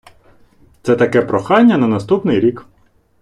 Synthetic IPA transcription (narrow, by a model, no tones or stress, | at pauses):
t̪sɛt̪ɐkɛpɾɔxɑnʲːɐnɐnɐst̪upnɪjɾʲik